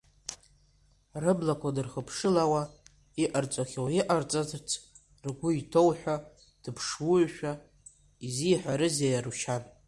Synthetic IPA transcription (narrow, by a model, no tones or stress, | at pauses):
rɨblakʷʰadɨrχəpʰʂɨlawa | iʔart͡sʷʼaχʲowiʔart͡sʼatʰt͡sʰ | rɡʷʊitʰowħʷᶣa | d̥ɨpʰʂwʊʕʃᶣa | izijħʷᶣaɾɨzajaɾuʃan